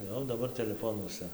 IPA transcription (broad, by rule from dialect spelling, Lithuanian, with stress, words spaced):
ˈjɛʊ dɐˈbɐr tʲɛlʲɛˈfoːnuɔsɐ